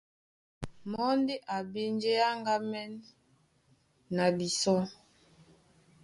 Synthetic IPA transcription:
mɔ˦ndi˦ʔa˨be˦nd͡ʒe˦ja˦ŋɡa˦mɛ˦n | a˨bi˨sɔ˦

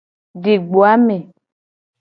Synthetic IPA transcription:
ɖe˨ɡ͡bo˨a˦me˨

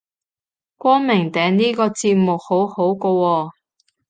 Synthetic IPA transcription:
kʷɔː˥ŋmɪ˨˩ŋt̪ɛː˨ŋniː˥kɔː˧t͡siː˧p̚mʊ˨k̚ho˨˥who˨˥wkoː˧wɔː˧

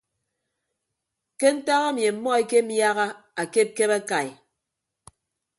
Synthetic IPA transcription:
ke˦n̩˦ta˦ɣa˦mje˨m̩˦mɔ˦e˦ke˦m̩˦ja˦ɣa˦a˨ke˦˨˦ke˦ba˦ka˨j

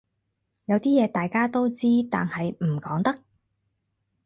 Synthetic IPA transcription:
jɐ˨˧wt̪iː˥jɛː˨˧t̪aː˨jkaː˥t̪o˥wt͡siː˥t̪a̰ː˨nhɐ˨jm̩˨˩kɔː˨˥ŋt̪ɐ˥k̚

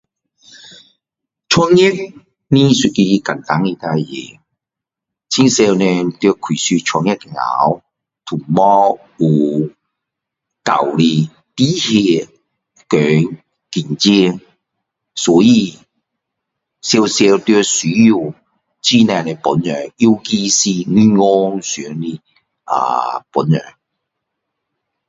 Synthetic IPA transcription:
t͡ʃʰɔ˧ŋjɪ˥k̚ | ni˥sy˧t̚ki˧ji˧kɐ˨˩nt̪a˨˥˦ŋi˧t̪a˧jḛ˨˩ | t͡sʰi˥nsɛː˧wnɛ˧t̪y˧kʰy˨˩syː˧t͡ʃʰɔ˨˧ŋjɛ˥k̚kɛ˨ŋa̰ː˨˥w | t̪ʰʊ˨˩ŋmɔ˦ | uː˨˩ | ka̰˨˩wli˧ | t̪i˥he˧ | kœː˨˥ŋ | ki˨nt͡si˥ŋ | sɔː˨˥jiː˧ | sɛː˧wsɛː˧t̪y˧ɔ˧syː˨˥ji˧w | t͡siː˥nɛː˧˩nɛ˨˧pɔ˨˥njœː˨˩ŋi˥wkiː˥si˧˥ni˥ŋɔː˧˥ŋsy˨˦˧ŋni˧ | a̰ː˨˧pu˨˥njœ̰ː˨ŋ

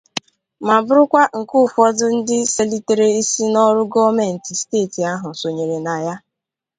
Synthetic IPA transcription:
ma˨bʊ˦ɾʊ˦kʷa˦ŋ̩˨ku˦fɔ˦dʊ˦n̩˦dɪ˦se˦li˦te˨ɾe˦i˦si˦nɔ˦ɾʊ˦ɡɔ˦me˨n̩˨ti˨steː˦˨ti˨a˦ɦʊ˨so˨ɲe˨ɾe˨na˨ja˦

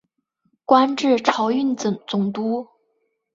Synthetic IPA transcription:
kwa˥nʈ͡ʂɻ̩˥˩ʈ͡ʂʰɑ˧˥ʊy˥˩nt͡st͡sʊ˨˩ŋt̪u˥

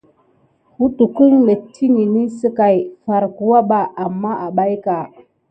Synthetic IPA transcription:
u˦tu˨ku˦ŋlə˨tʰi˦ŋi˨ni˦sə˦ka˨jfa˨ɾku˨wa˦ɓa˦ʔa˨mːa˦ʔa˨ɓa˦jka˨

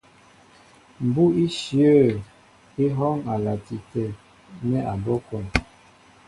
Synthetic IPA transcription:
m̩˨bu˦i˦ʃi˨ə˦˨ | i˦ɦɔ˦ŋa˨la˨ti˨tɛ˨ | nɛ˦ʔa˨bɔ˦kɔ˨n

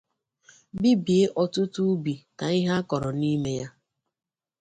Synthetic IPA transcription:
bi˦bi˨e˦ʔɔ˨tʊ˦tu˦bi˨ta˨i˦ɦa˦kɔ˨ɾɔ˨ni˦me˦ja˦

